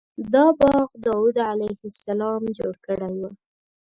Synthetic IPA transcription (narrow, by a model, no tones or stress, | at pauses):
d̪ɑbɑɣd̪ɑwud̪ʕalajhɪsalɑmd͡ʒoɽkəɽajwu